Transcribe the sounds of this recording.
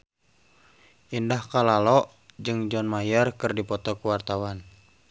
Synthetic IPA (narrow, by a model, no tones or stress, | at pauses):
ʔindahkalalɔʔ | d͡ʒɨŋd͡ʒɔnmajərkɨrdipɔt̪ɔkuwart̪awan